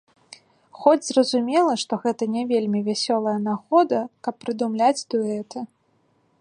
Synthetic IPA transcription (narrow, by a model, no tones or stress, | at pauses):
xɔd͡zʲzrɐzumʲɛlˠɐʂt̪ɔɣɛt̪ɐnʲɛvʲelʲmʲivʲasʲɔlˠɐjɐnaɣɔd̪ɐkɐpːɾɨd̪umlʲad͡zʲd̪uɛt̪ɨ